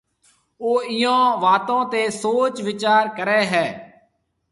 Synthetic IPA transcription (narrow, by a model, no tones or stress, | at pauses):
oːɪjãːʋaːt̪ãːt̪eːsoːt͡ʃʋɪt͡ʃaːɾkəɾɛːɦɛː